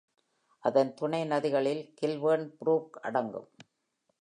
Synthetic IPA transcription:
ʔɐðɐnt̪ʊɳɐɪnɐðɪɣɐɭɪlkɪlʋɐnpɾuːkɐ̰ɽɐŋɡɯ̰m

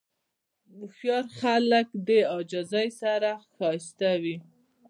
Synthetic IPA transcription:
mʊxjɑɾxaləkd̪əɑd͡ʒɑzɑjsaɾaxɑst̪awi

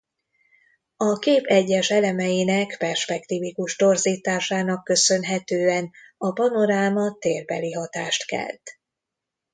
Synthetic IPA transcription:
ɒkeːpɛɟːɛʃɛlɛmɛjinɛkpɛrʃpɛkt̪iːvikuʒt̪o̞rziːt̪aːʃaːnɒkːø̞sø̞nɦɛt̪øːɛn | ɒpɒno̞ɾaːmɒt̪eːrbɛ̰liɦɒt̪aːʃt̪kɛ̰lt̪

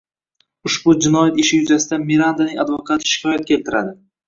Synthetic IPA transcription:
ʊʃbʊd͡ʒɪnɒjat̪ɪʃɪjʊzasɪd̪amiɾand̪anɪŋad̪vokʰat̪ʰɪ̥ʃɪ̥kʲʰɒjat̪̚kʲʰe̞lt̪ʰɪɾa̰d̪ɪ

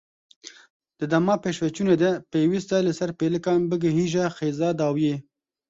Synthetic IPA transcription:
d̪̥əd̪amɑpeʃwet͡ʃuned̪epewist̪ɑlesaɾpeləkɑnbəɡeɦiʒaxezɑd̪ɑwje

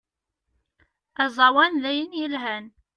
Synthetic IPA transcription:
æzˤɑwænðæjənjəlɦæn

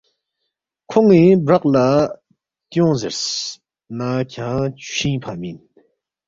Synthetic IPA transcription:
kʰɔŋnibɹak̚la | t̪ɔŋzeɹs | nacʰaŋɕʰiŋpʰamin

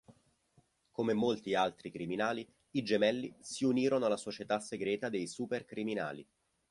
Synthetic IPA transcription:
komemolt̪ialt̪ɾikɾiminaːliː | d͡ʒemɛlːisiuniːɾonoalasot͡ʃet̪asːeɡɾɛːt̪ad̪ejsuperkɾimina̰ːlḭ

